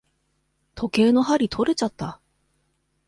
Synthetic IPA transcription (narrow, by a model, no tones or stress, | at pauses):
t̪ʰo̞ke̞ːno̞ɦaɾʲit̪ʰo̞ɾe̞t͡ɕat̪ːa